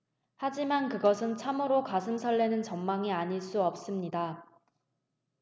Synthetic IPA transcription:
had͡ʑimankɯɡʌsʰɯnt͡ɕʰamuɾokasʰɯmsʰʌɭːenɯnt͡ɕʌmmaŋiaɲiɭs͈uʌp̚s͈ɯmɲida

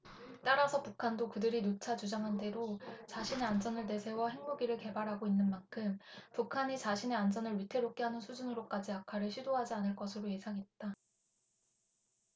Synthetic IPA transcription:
t͈aɾasʰʌpukʰandokɯdɯɾinot͡ɕʰat͡ɕud͡ʑaŋɦande̞ɾot͡ɕaɕʰine̞and͡ʑʌnɯɭte̞sʰe̞wʌhe̞ŋmuɡiɾɯɭke̞baɾɦaɡoinːɯnmankʰɯmpukʰaɲit͡ɕaɕʰine̞and͡ʑʌnɯɭɥitʰe̞ɾok͈eɦanɯnsʰud͡ʑunɯɾok͈ad͡ʑiakʰaɾɯɭɕʰidoɦad͡ʑianɯɭk͈ʌsʰɯɾoje̞sʰaŋɦe̞t̚t͈a

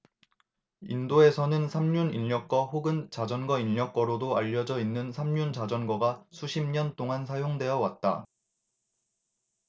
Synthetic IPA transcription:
ḭndoe̞sʰʌnɯnsʰamɲuniʎːʌk͈wʌhɸoɡɯnt͡ɕad͡ʑʌnɡʌiʎːʌk͈ʌɾodoaʎːʌd͡ʑʌinːɯnsʰamɲunt͡ɕad͡ʑʌnɡʌɡasʰuɕʰimɲʌnt͈oŋansʰajoŋdwe̞jʌwat̚t͈a̰

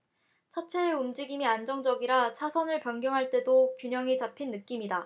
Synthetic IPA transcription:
t͡ɕʰat͡ɕʰe̞ːumd͡ʑiɡimiand͡ʑʌŋd͡ʑʌɡiɾat͡ɕʰasʰʌnɯɭpjʌnɡjʌŋɦaɭt͈e̞dokjuɲʌŋit͡ɕapʰinːɯk͈imida

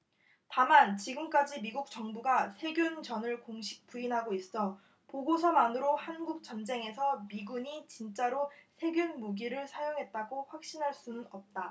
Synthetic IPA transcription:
tamant͡ɕiɡɯmk͈ad͡ʑimiɡuk̚t͡ɕʌŋbuɡasʰe̞ɡjunt͡ɕʌnɯɭkoŋɕʰi̥k̚p͈uinɦaɡois͈ʌ | poɡosʰʌmanɯɾohanɡuk̚t͡ɕ͈ʌnd͡ʑe̞ŋe̞sʰʌmiɡuɲit͡ɕint͡ɕ͈aɾosʰe̞ɡjunmuɡiɾɯɭsʰajoŋɦe̞t̚t͈aɡoɸwak̚ɕ͈inɦaɭs͈unɯnʌp̚t͈a

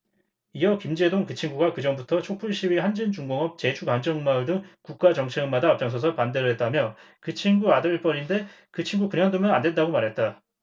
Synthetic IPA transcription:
iʌkimd͡ʑe̞doŋkɯt͡ɕʰiŋɡuɡakɯd͡ʑʌŋbutʰʌt͡ɕʰok̚pʰuɭɕ͈ʰiwihand͡ʑint͡ɕuŋɡʌŋʌp̚t͡ɕe̞t͡ɕʰukaŋd͡ʑʌŋmaɯɭdɯŋkuk̚k͈ad͡ʑʌŋt͡ɕʰeɡɯmadaːp̚t͡ɕ͈aŋs̬ʰʌs̬ʰʌpande̞ɾɯɭɦe̞t̚t͈amjʌ | kɯt͡ɕʰiŋɡuadʌɭp͈ʌɾinde̞ | kɯt͡ɕʰiŋɡukɯnaŋdomjʌnandwe̞ndaɡomaɾɦe̞t̚t͈a

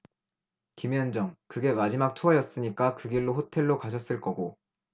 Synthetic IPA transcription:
kimjʌnd͡ʑʌŋkɯɡe̞mad͡ʑimak̚tʰoʌjʌs͈ɯɲik͈akɯɡiɭːoɸotʰe̞ɭːokaɕʰʌs͈ɯɭk͈ʌɡo

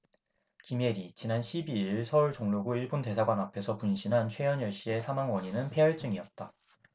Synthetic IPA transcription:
kime̞ɾit͡ɕinanɕʰibiɭsʰʌuɭt͡ɕoŋloɡuiɭbonte̞sʰaɡwanapʰe̞sʰʌpunɕʰinɦant͡ɕʰwe̞jʌnjʌɭɕ͈ie̞sʰamaŋwʌɲinɯnpʰe̞jʌɭt͡ɕ͈ɯŋiʌt̚t͈a

